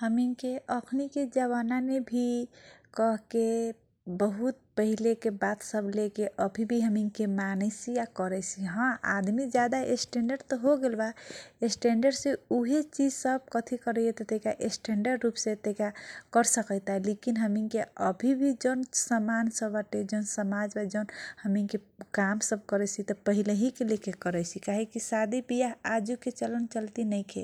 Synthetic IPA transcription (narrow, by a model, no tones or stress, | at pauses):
həmiŋkeəkʰniked͡ʒəβananebʱikəɦke | bəɦut̪̚pəɦilekebat̪səblekeʔəbʱibʱiɦəmiŋkemanesijakəɾɛt͡ʃʰiɦãʔa̰d̪mid͡ʒjad̪aesʈeɳɖəɾɖt̪ɔɦoɡelbaesʈeɳɖəɾɖseuɦet͡ʃid͡ʒsəb̚kət̪ʰikəɾɛjet̪ɔt̪ekaʔesʈeɳɖəɖɾupsẽt̪ekakəɾsəkəɪt̪aɦɛlekinɦəmiŋkeəbʱibʱid͡ʒonsəmansəbaʈed͡ʒonsəmad͡ʒbad͡ʒənhəmiŋkekamsəb̚kəɾɛt͡ʃʰit̪ɔpəɦileɦikelekekəɾɛt͡ʃʰikaɦekisad̪ʱipijaad͡ʒuket͡ʃələnt͡ʃəlt̪inəɪkʰe